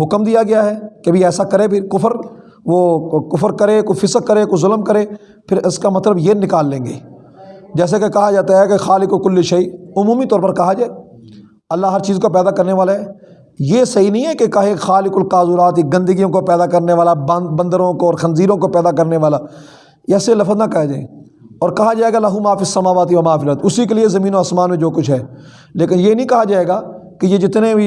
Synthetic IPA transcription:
ɦʊkmd̪ijaɡɐjaɦɛːkeɐbʱiɛːsakɐɾepʰɪɾkʊfəɾ | ʋoːkʊfəɾkɐɾekofɪsək̚kːəɾekozʊləmkɐɾeː | pʰɪɾɪskamɐt̪ləbjenɪkaːlːẽːŋɡeː | d͡ʒɛːs̬ekekɐɦad͡ʒaːt̪aɦɛkexaːlɪkokʊlːiʃɐiːʊmũːmit̪ɔːɾpɐɾkɐɦad͡ʒaːe | ɐlːaɦɐɾt͡ʃiːzkopɛːd̪akɐɾneʋaːlaɦɛː | jeːsɐɦinəɦĩɦɛːkekaɦexaːlɪkʊlkaːzuːɾaːt̪iɡɐ̃nd̪əɡijõkopɛːd̪aːkɐɾneʋaːlabə̃nd̪əɾõkoɔːɾxənziːɾõkopɛːd̪akɐɾneʋaːlaː | jɛːselɐfəznãkɐad͡ʒaːḛ | ɔːɾkɐɦad͡ʒaːeːɡalaɦumaːfɪsːɐmaːʋaːt̪̬iʋɐmaːfɪlət̪ʊsikeliezɐmĩːnoaːsmaːnmẽd͡ʒoːkʊt͡ʃʰɦɛː | leːkɪnjeːnəɦĩkɐɦad͡ʒaːeːɡaːkejed͡ʒɪt̪nebi

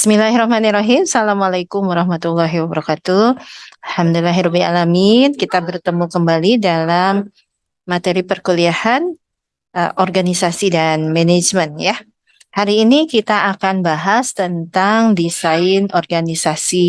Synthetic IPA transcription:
bɪ̥smilaɦrɔhmanirɔɦimsalamalajkʊmwaɾɑhmat̪ulːaɦiwabəɾɔkat̪ualhamdulaɦiɾɔbila̰laminkit̪abərt̪əmukəmbalidalamː | at̪eɾipərkuliahan | əʔɔrɡanisasidanmɛned͡ʒmənja | haɾiːnikit̪aakanbaɦast̪ənt̪aŋdisaɪnɔrɡanisasi

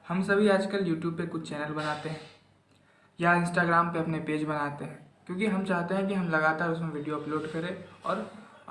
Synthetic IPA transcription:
hɐmsɐbʱiaːd͡ʒkəljuːʈjuːb̚pekʊt͡ʃʰt͡ʃɛːnəlbɐnaːt̪eɦɛ̃ | jaɪ̃nsʈaːɡɾaːmpeɐpnepeːd͡ʒbɐnaːt̪eɦɛ̃ːkjõːkiɦɐmt͡ʃaːɦt̪eɦɛ̃k̬iɦɐmlɐɡaːt̪aːɾʊs̬mẽʋɪɖijoɐploːɖkɐɾẽɔ̰ːɾ

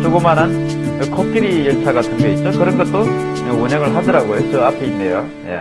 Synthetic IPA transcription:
suɡomanɦan | kɯkʰok͈iɾijʌɭtʰaɡatʰɯŋɡeit̚t͡ɕ͈okɯɾʌnɡʌt͈̚o | ɯoɲʌŋɯɭɦadʌɾaɡojot͡ɕʌapʰe̞inːejo | jḛ

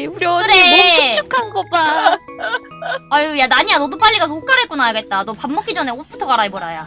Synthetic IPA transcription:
uɾjʌkɯɾeukʰanɡʌba | ajojanaɲianʌdup͈aʎːiɡasʰook͈aɾek͈unajaɡe̞t̚t͈atopamːʌk͈id͡ʑʌne̞op͈ʰutʰʌɡaɾaɭboɾaja

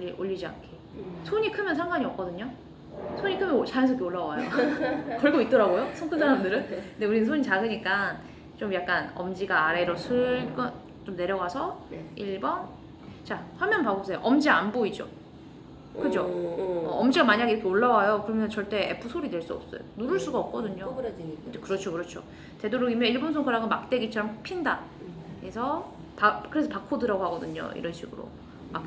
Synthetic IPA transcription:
iʔoʎːid͡ʑia̰nkʰe | sʰoɲikʰɯmjʌnsʰaŋɡwaɲiʌp̚k͈ʌdɯɲo | sʰoɲikʰɯmjʌnt͡ɕajans̬ʰkʰeoɭːawajokʌɭɡoit̚t͈ʌɾaɡojosʰʌŋkʰɯnsʰaɾamdɯɾɯnkndeuɾinɯnsʰoɲit͡ɕaɡɯɲik͈an | t͡ɕomjak̚k͈anʌmd͡ʑiɡaːɾe̞ɾosʰɯɡʌ | t͡ɕomne̞ɾjʌɡasʰʌiɭbʌn | t͡ɕaɸwamjʌnpaɡop̚sʰejo̰ʔʌmd͡ʑianboid͡ʑo̰ | kɯd͡ʑoʌʌmd͡ʑiɡamaɲaɡiɾʌkʰeoɭːawajokɯɾʌmjʌnt͡ɕʌɭt͈e̞ʔḛpʰɯsʰoɾidwe̞ɭs͈uʌp̚s͈ʌ̰jo̰nuɾɯɭs͈uɡaʌp̚k͈ʌdɯɲo | kɯɾʌt͡ɕʰokɯɾʌt͡ɕʰo̰ | te̞doɾoɡimjʌiɭbonsʰoŋkʰaɾaɡɯnmak̚t͈e̞ɡit͡ɕʰʌɾʌmkpʰinda | esʰʌ | pakɯɾe̞sʰʌpakʰodɯɾaɡoɦaɡʌdɯɲo̰ḭɾʌnɕʰiɡɯ̰ɾo̰ | ma

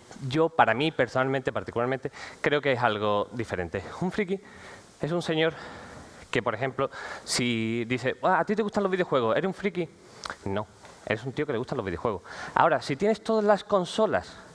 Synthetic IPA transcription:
ɟ͡ʝo̞paɾamĩpe̞ɾsonalmẽnt̪epaɾt̪ikulaɾmẽnt̪e̞kɾe̞okeesalɣ̞o̞ðife̞ɾẽ̞nt̪euɱfɾiki | e̞sunse̞ɲo̞ɾ | ke̞po̞ɾe̞xẽ̞mplo̞siðiθeaːt̪it̪̬e̞ɣust̪aloβiðeo̞xwe̞ɣ̞ose̞ɾesũɱfɾiki | nõ̞ | ḛɾesunt̪iokeeust̪aloβiðexwe̞ɣosa̰o̞ɾasit̪je̞nest̪o̞ðazlasko̞nso̞las

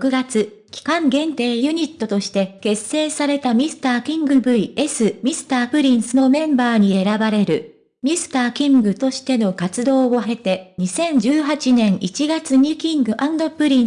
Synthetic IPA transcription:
jokɯ̟ɡat͡sɨ | kʲi̥kãŋɡẽ̞nt̪e̞ːjɯ̟ɲ̟it̪ːo̞t̪o̞ɕi̥t̪e̞ke̞sːe̞ːsaɾe̞t̪amʲisɨ̥t̪aːkʲĩŋɡɯ̟bɯ̟ie̞sɨmʲisɨ̥t̪aːpɯ̟ɾʲĩɰ̃sɨno̞mẽ̞mbaːɲ̟ie̞ɾabaɾe̞ɾɯ̟ | mʲisɨ̥t̪aːkʲĩŋɡɯ̟t̪o̞ɕi̥t̪e̞no̞kat͡sɨd̪o̞ːoɦe̞t̪e̞ɲ̟isẽ̞ɲd͡ʑɨːɦat͡ɕinẽ̞ɰ̃ʔit͡ɕiɡat͡sɨɲ̟ikʲĩŋɡɯ̟ʔãnd̪o̞pɯ̟ɾʲĩ

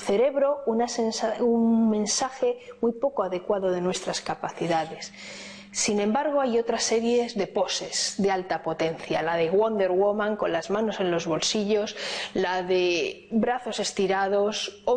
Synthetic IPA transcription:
θe̞ɾe̞βɾo̞unasensaunmẽ̞nsaxe̞mujpo̞koaðe̞kwaðo̞ðe̞nwe̞st̪ɾaskapaθiðaðe̞sː | inẽ̞mbaɾɣ̞o̞ajo̞t̪ɾase̞ɾje̞zðe̞po̞se̞sðe̞alt̪apo̞t̪e̞n̟θja̰laðe̞ɣwond̪e̞ɾɣwomãŋko̞nlazmãno̞se̞nlo̞zβo̞lsiʎo̞slaðe̞bɾaθo̞se̞st̪iɾað̞o̞so

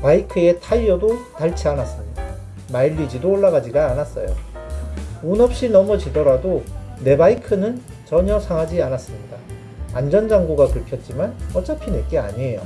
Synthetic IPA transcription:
paikʰɯe̞tʰajːʌdotaɭt͡ɕʰianas͈ɯmɲida | maiʎːid͡ʑidoːɭːaɡad͡ʑiɡaːnas͈ʌ̰jo̰ | unʌp̚ɕ͈inʌmʌt͡ɕidʌɾadone̞baikʰɯnɯn | t͡ɕʌɲʌsʰaŋɦad͡ʑianas͈ɯmɲida | and͡ʑʌnd͡ʑaŋɡoɡakɯɭpʰjʌt̚t͡ɕ͈imanʌt͡ɕ͈apʰinet̚k͈ea̰ɲiejo̰

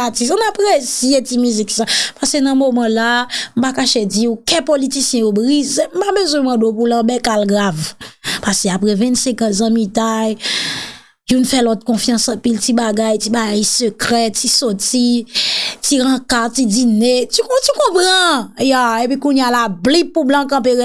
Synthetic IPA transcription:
atisɔ̃napʁesietimyziksapasenɐ̃momɑ̃lam̩pakaʃed͡zikɛ̃politisjɛ̃jobʁizem̩pabøzwɛ̃mɑ̃dopulãbɛkalɡʁavpaseapʁɛvɛ̃nsɛ̃kãs̬ãmit̪aj | junfɛlɔt̪̚kɔ̃fjɑ̃sɐ̃piltibaɡajtibaɡajsøkʁɛtisɔti | tiɣãkatidinetyktykɔ̃pʁʌ̃jaepikũnjalablipːublãkãp̬e

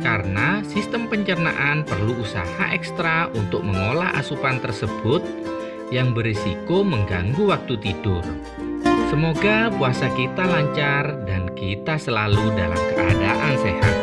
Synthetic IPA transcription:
kaɾənasist̪əmpəɲt͡ʃərna̰ʔanpərluːsa̰ha̰ʔɛkst̪ɾaʔunt̪ʊk̚məŋolahʔa̰supant̪ərsəb̥ʊt̪̚ | jaŋbəɾisikoməŋɡaŋɡuwak̚t̪ut̪id̥ʊr | səmoɡapuasakit̪alaɲt͡ʃardankit̪asəlaluda̰la̰mkəʔa̰daʔanseha̰t̪̚

